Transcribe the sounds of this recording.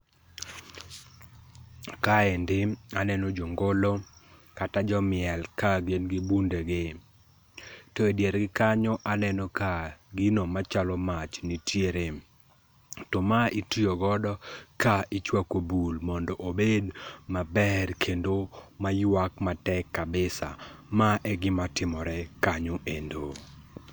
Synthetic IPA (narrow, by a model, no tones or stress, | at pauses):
kaendɪanɛnod͡ʒoŋɡolokatad͡ʒɔmɪɛlkaɡenɡɪbundeɡɪ | tɔedjeɾɡɪkaɲɔʔanɛnɔkaɡɪnomat͡ʃalɔmat͡ʃnitjeɾe | tɔmaitioɡɔdɔkaɪt͡ʃwakobulmɔndɔʔobedmabɛrkʰendomajwakmatɛkːabɪsa̰maʔɛɡɪmatɪmɔɾɛkaɲoʔendo